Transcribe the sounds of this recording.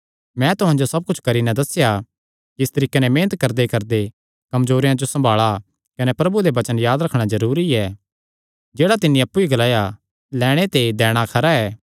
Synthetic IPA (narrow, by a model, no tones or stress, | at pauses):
mɛ̃t̪ʊɦãnd͡ʒosɐb̚kʊt͡ʃʰkɐɾinɛ̃d̪ɐsɪja | kiɪst̪ɐɾiːkenɛmẽːnət̪̚kɐɾd̪ekɐɾd̪e | kɐmzoːɾejãd͡ʒosɐ̃mbʱaːɭa | kɐnepɾɐbud̪ebɐt͡ʃənjaːd̪ɾɐkʰɽ̃azɐɾuːɾiɛː | d͡ʒeːɽat̪ɪnːĩɐpːuiɡɐlaːja | lɛːɽ̃et̪ed̪ɛːɽ̃akʰɐɾaɛː